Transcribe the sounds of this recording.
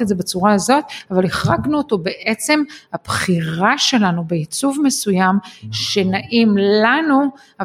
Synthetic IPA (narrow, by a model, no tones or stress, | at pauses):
etzebat͡suʁaazo̞t̪̚avaleχʁaɡnuoto̞be̞ʔet͡se̞mabχiʁaʃe̞lanubeit͡suvme̞sujamʃe̞naʔimlanu | a